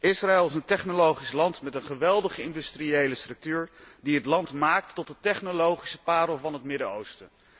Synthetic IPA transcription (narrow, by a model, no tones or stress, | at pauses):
ɪsraɛlˠɪs̬əntɛχnolowχislɑntmɛtənχəʋɛlˠdəχəɪndystriejləstrɵk̚tyːɹdiɦətlɑntmaːktːɔtdətɛχnolowχi̥səpaːɾəlˠvɑnɦətmɪdəo̰wstə